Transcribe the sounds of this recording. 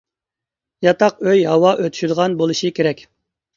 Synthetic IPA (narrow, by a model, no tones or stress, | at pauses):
jɑt̪ɑqøjɦɑwɑʔøt̪ʰy̥ʃyd̪əʁɑnbolˠuʃɨkʲʰeɾɛkʲ